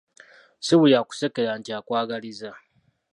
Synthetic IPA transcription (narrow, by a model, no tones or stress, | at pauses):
siβujaku̥se̞keɾaːntiakwaːɡaliza